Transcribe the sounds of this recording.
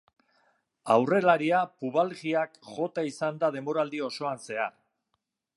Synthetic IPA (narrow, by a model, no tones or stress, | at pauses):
awre̞laɾiapuβ̞alɣiakʝo̞t̪aisand̪að̞e̞mbo̞ɾald̪io̞so̞anse̞ar